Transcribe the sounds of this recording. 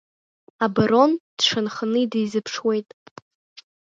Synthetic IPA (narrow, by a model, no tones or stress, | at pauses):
abaɾo̞nd̥ʂɨnχnɨidijzɨpʰʂwe̞jtʼ